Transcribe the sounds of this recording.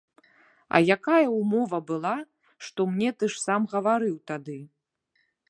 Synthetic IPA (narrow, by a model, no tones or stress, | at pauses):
ɐ̰jakajɐumɔvɐbɨlˠa | ʂt̪ɔmnʲɛt̪ɨʂsamɣɐvaɾɨwt̪ad̪ɨ